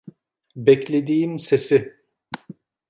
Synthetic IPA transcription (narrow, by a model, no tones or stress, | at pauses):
bɛclʲed̪iːimsesɪ